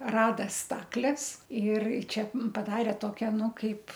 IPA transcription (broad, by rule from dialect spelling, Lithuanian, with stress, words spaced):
ˈrɑːdɐ ˈstɑːklʲɛs ɪr ˈt͡ʃʲɛ ˈmʊm pɐˈdɑːrʲɛ ˈtoːkʲɛ ˈnʊ ˈkɐɪp